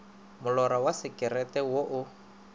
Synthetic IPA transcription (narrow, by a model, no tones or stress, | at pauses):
mʊlɔɾawasɪkʼɪrɛtʼɛwoʔʊ